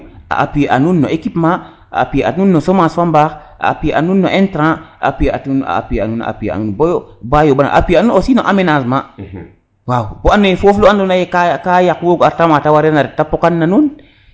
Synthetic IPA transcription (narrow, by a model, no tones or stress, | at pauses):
a̰ʔa̰pijeʔa̰nunːoʔekipma | a̰pieʔa̰nunːosomasfambak | a̰a̰pijeʔa̰nunːoʔentɾãaapijea̰tuna̰a̰pijea̰nuna̰a̰pijḛa̰nunbojobajobana̰ʔapianunosinoʔamenazma | wawboanːofofloandonajekakajakwoɡoaɾtamatawaɾenaɾetapːokanːanun